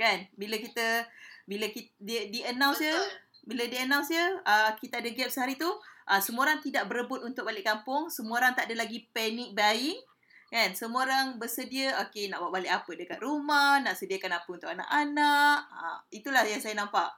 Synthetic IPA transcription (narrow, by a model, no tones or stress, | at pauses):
kanbiləkit̪əbiləkididiənãw̃nsjə | bilədiənãw̃nsjəəkit̪aadəɡɛp̚səɦaɾit̪uʔəsəmuoɾaŋt̪idaʔbəɾəbʊt̪̚unt̪ʊk̚balɪʔkampʊŋsəmuoɾaŋt̪aʔadəlaɡipɛnɪk̚baɪŋ | kansəmuoɾaŋbərsədiəokenaʔbwaʔbalɪʔapədəkat̪̚rumahnaʔsədiəkanapəunt̪ʊk̚ana̰ʔanaʔə̰it̪ulahjaŋsajənãmpaʔ